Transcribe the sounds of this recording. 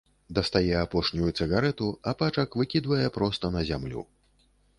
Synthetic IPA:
d̪ɐst̪ajɛapɔʂnʲujusɨɣaɾɛt̪uɐpat͡ʂɐkvɨkʲid̪vɐjɛpɾɔst̪ɐnɐzʲamlʲṵ

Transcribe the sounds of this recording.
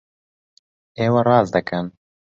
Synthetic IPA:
eːwɐrɑːzd̪ɨkɨn

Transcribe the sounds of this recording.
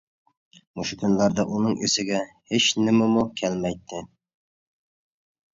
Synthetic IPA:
muʃʊkʲʰynlæɾd̪æʔunɨŋesɪɡʲæ | heʃnɪmæmʊkʲʰælmæjt̪ʰːɪ

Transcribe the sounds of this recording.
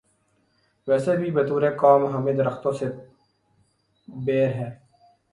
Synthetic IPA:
ʋɛːsebʱiːbɐt̪uːɾeːkaːmɦɐmed̪ɾɐxt̪õːse | beːɾɦɛː

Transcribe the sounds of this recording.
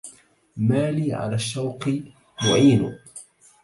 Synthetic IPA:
maːliːʕa̰laːʃːawqɨ | mʊ̰ʕiːnʊ̰

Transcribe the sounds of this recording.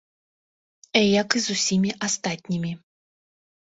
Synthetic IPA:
ɛjɐkɨzusʲimʲiʔast̪at̪ʲnʲimʲi

